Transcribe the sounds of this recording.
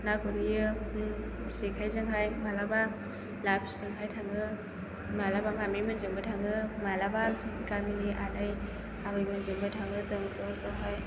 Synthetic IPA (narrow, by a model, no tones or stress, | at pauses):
naɡɯɾɯjɯ | sekʰajzɯŋɦajmalaba | lapʰizɯŋɦajtʰaŋɯ | malabamamemɯnzɯŋbɯtʰaŋɯmalabakaminiʔanɯj | abɯjmɯnzɯŋbɯtʰaŋɯzɯŋsɔsɔɦaj